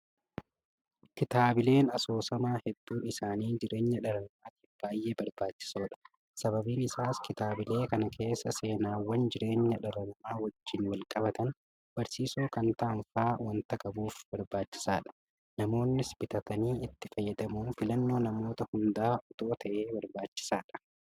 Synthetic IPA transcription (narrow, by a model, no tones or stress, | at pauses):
kɪt̪aːbɪle̞ːnɐso̞ːsɐmaːhɛd̪ːuːɪsaːniːd͡ʒɪɾe̞ːɲːɐᶑɐɾɐnɐmaːt̪iːfb̥aːjʔe̞ːbɐɾbaːt͡ʃːɪ̥so̞ːᶑɐ̥ | sɐbɐbiːnɪsaːskɪt̪aːbɪle̞ːkɐnɐkʰe̞ːsːɐse̞ːnaːwɐnd͡ʒɪɾe̞ːɲːɐᶑɐɾɐnɐmaːwɐd͡ʒːɪnwɐlkʼɐbɐt̪ɐn | b̥ɐɾsiːsuːkɐnt̪aːnfaːwɐnt̪ɐkʼɐbuːfb̥ɐɾbaːt͡ʃːɪ̥saːᶑɐ̥ | nɐmo̞ːnːɪsbɪt̪ɐt̪ɐniːɪt̪ːɪfɐjːɐd̪ɐmuːnfɪlɐnːo̞ːnɐmo̞ːt̪ɐhʊnd̪aːʔʊt̪o̞ːt̪ɐʔe̞ːbɐɾbaːt͡ʃːɪ̥saːᶑɐ̥